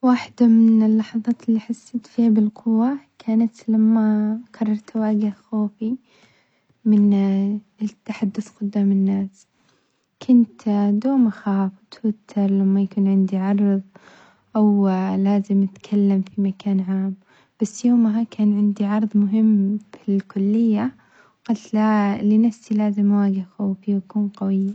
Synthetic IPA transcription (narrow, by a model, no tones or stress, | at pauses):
waːħd̪amɪnɪlːɑħɑðˤɑːt̪ɪlːiħasːat̪fiːhabɪlqʊwːakʰaːnat̪lamːakʰɑrˤːɑɾˤt̪waːɡɪhxoːfi | mɪn | t̪ːaħad̪ːʊθqʊd̪ːaːmɪnːaːs | kʰʊnt̪d̪oːmaxaːft̪wɪt̪ʰːɑɾˤlamːajakuːnʕɪnd̪iʕɑɾˤðˤ | ʔawlaːzɪmɪt̪kʰalːamfimakʰaːnʕaːm | b̥asːjoːmɦakʰaːnʕɪnd̪iʕɑɾˤðˤmʊɦɪmːbɪlkʊlːɪjːa | wqalt̪lalɪnafsilaːzɪmʔawaːɡɪhxoːfiwakuːnqɑwɪjːa